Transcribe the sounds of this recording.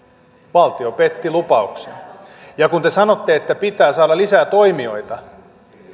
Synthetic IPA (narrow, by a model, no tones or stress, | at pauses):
ʋɑlt̪io̞pet̪ːilupɑuksenjɑkunt̪esɑno̞t̪ːe̞ːt̪ːæpit̪æːsɑːdɑlisæːt̪o̞jmio̞̰jt̪ɑ